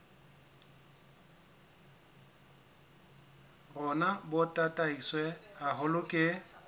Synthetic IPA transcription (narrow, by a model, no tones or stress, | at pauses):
rʊnabʊtʼatʼaiswɛaɦʊlʊkʼɪ